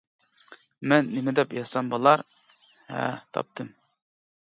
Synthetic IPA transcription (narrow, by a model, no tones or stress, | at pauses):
mɛnːɪmɛd̪ɛpjɑsɑmbolˠɑɾ | hɛ̰t̪ʰɑ̰p̚t̪ʰɨm